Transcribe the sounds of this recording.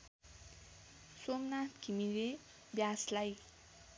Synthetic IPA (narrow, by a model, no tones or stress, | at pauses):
somnat̪kʰimiɾe | bjaslaj